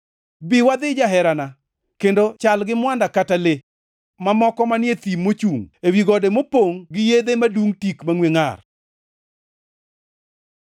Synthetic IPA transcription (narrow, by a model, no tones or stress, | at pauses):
biwad̪ɪd͡ʒaɦɛɾana | kendot͡ʃalɡɪmwandakatale | mamɔkɔmanjet̪imːot͡ʃuŋewiɡɔdemopoŋɡɪjed̪emaduŋtikmaŋweŋar